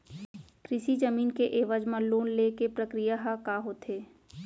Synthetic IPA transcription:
kɾɪʃid͡ʒəmiːnkeʔeːʋəd͡ʒmãloːnlekepɾəkɾijaɦakaɦoːt̪ɦeː

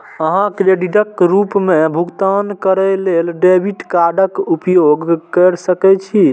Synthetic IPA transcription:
əɦãkɾeɖiɖəkɾupmebʱuɡt̪ankəɾəlelɖebʱiʈkaɾɖəkupjoɡkəɾsəkɛt͡ʃʰi

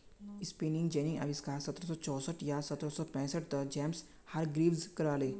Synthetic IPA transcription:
ispinĩŋɡd͡ʒenĩŋa̰ʋiskasət̪ɾəsɔːt͡ʃɔsəʈjasət̪ɾəsɔpɛ̃ːsəʈ̚d̪əd͡ʒɛms | haɾɡɾiːʋzkəɾale

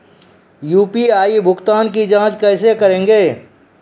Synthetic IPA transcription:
juːpiaːibʱʊkt̪aːnkid͡ʒãːt͡ʃkɛːsekəɾẽːŋɡeː

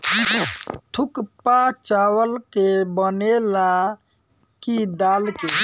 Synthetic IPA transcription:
t̪ʰukpat͡ʃawəlkebənela | kid̪alke

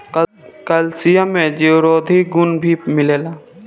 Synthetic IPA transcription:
kəlsijamẽd͡ʒewɾoːd̪ʱiɡʊnbʱimɪleːlaː

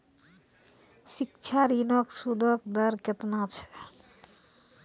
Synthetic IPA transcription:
sik̚t͡ʃʰaɾinɔksud̪ʱɔk̚d̪əɾket̪nat͡ʃʰɛ̥

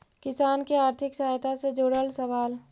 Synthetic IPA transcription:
kɪsaːnkiaːɾt̪ʰɪksəɦaːjt̪ased͡ʒoːɽəlsəʋaːl

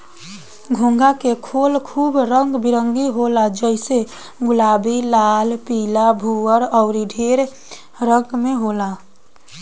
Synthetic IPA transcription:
ɡʱũŋɡakekʰolkʰuːbɾəŋɡbiɾəŋɡiɦolad͡ʒəɪse | ɡʊlaːbilaːlpilabʱuəɾɔʊɾiɖʱeɾ | ɾəŋɡmeɦola

